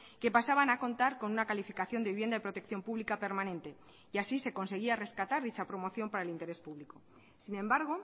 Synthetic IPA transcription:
ke̞pasaβanako̞nt̪aɾko̞nunakalifikaθjo̞nd̪e̞iβje̞nd̪aðepɾo̞t̪e̞kθjo̞mpuβlikape̞ɾmanẽ̞nt̪e̞ | iasise̞ko̞nse̞ɣ̞iare̞skat̪aɾðit͡ʃapɾo̞mo̞θjo̞mpaɾae̞lint̪e̞ɾe̞spuβliko | sinẽ̞mbaɾɣ̞o̞

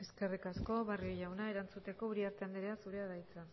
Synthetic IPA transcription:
e̞ske̞rikasko̞βario̞ʝawnae̞ɾant͡sut̪e̞ko̞uɾiaɾt̪and̪eɾeasuɾe̞aðajt͡sa

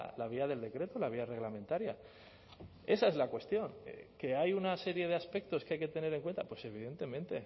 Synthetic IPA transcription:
laβ̞iaðe̞ld̪e̞kɾe̞t̪o̞laβiare̞ɣlament̪aɾja | e̞sae̞zlakwe̞st̪jo̞ŋeke̞ajunase̞ɾje̞ðe̞aspe̞k̚t̪o̞skeajke̞t̪e̞ne̞ɾe̞ŋkwe̞nt̪apwe̞se̞β̞iðe̞nt̪e̞mẽnt̪e̞̰

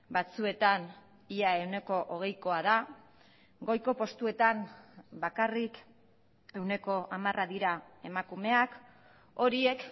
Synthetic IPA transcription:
bat͡sue̞t̪an | iae̞wne̞ko̞ʔoɣ̞e̞jko̞að̞a | ɡo̞jko̞po̞st̪ue̞t̪anbakarik | e̞wne̞ko̞ʔamarʔaðiɾae̞makume̞ak | o̞ɾie̞k

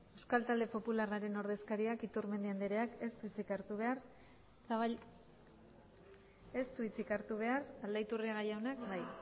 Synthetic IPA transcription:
ewskalt̪ald̪e̞po̞pularaɾe̞no̞ɾð̞e̞skaɾiakit̪uɾme̞nd̪iand̪eɾe̞ake̞st̪uit͡sikaɾt̪uβ̞e̞aɾ | saβ | est̪uit͡sikaɾt̪uβ̞e̞arald̪ait̪uriaɣajawnakbaj

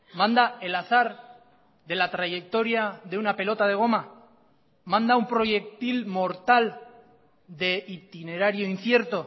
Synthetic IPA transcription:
mãnd̪ae̞laθaɾ | ðe̞lat̪ɾaʝe̞k̚t̪o̞ɾjaðeunape̞lo̞t̪að̞e̞ɣ̞o̞ma | mãnd̪aumpɾo̞ʝe̞k̚t̪ilmo̞ɾt̪al | d̪e̞it̪ine̞ɾaɾjoin̟θje̞ɾt̪o̞

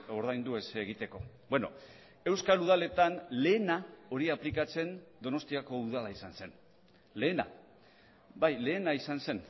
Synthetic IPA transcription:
o̞ɾðajnd̪ue̞seɣ̞it̪e̞ko̞̰ | bweno̞̰ | e̞wskaluð̞ale̞t̪anle̞ːnao̞ɾiaplikat͡se̞nd̪o̞no̞st̪iako̞uð̞alaisanse̞n | le̞ːna̰ | bajle̞ːnaisanse̞n

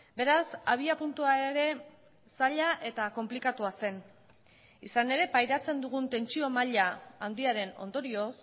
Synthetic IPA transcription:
be̞ɾasaβ̞iapunt̪uaeɾe̞ | saʎaʔe̞t̪ako̞mplikat̪uase̞n | isane̞ɾe̞pajɾat͡se̞nd̪uɣ̞unt̪e̞nt͡sio̞maʎaand̪iaɾe̞no̞̰nd̪o̞ɾio̞s

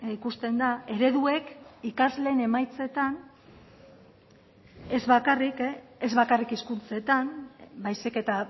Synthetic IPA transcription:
ikust̪e̞nd̪ae̞ɾe̞ðue̞kikazle̞ːne̞majt͡se̞t̪an | ezβakarikezβakarikiskunt͡se̞t̪anbajsike̞t̪a

